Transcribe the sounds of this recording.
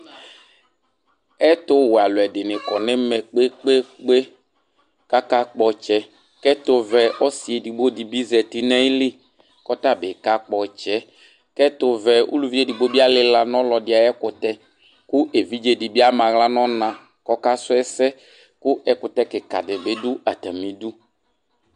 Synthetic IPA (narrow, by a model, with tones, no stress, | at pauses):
ɛ˦tʊ˦wa˨lʊ˨ɛ˨dɪ˨nɪ˨kɔ˨nɪ˦mɛ˨k͡pe˦k͡pe˦k͡pe˦ | ka˦ka˦k͡pɔ˨t͡ʃɛ˦ | kɛ˦tʊ˨vɛ˨ɔ˦si˨e˨di˨ɡ͡bo˦di˨bi˦zɛ˨ti˦nɛ˦lɪ˦ | kɔ˦ta˦bɪ˨ka˦k͡pɔ˨t͡ʃɛ˦ | kɛ˦t̪ʊ˨vɛ˨ṵ˦lu˦˨vi˦e˦di˨ɡ͡bo˦bi˦a˦lɪ˨la˨nɔ̃˦lɔ˨dɪ˨˦a˨jɛ˦kʊ˨t̪ɛ˦ | kʊ˦ʔe˨vi˦d͡ʒe˦di˨bi˦a˦mã˨ɣla˦nɔ̃˦nã˨ | kɔ˦ka˦sʊ˦ɛ˦sɛ˦ | kʊ˦ʔɛ˦kʊ˨t̪ɛ˦kɪ˨ka̰˨dɪ˨be˦dʊ˦a˨t̪a˨mĩ˨du˦